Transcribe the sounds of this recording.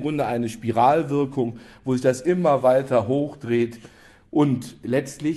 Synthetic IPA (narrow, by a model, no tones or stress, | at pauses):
ɡʁʊndəʔaɪnəʃpiʁaːlvɪɐkʰʊŋvoːzɪçd̥asʔɪmɐvaɪtɐɦoːxd̥ʁeːt | ʔʊntlɛt͡stlɪ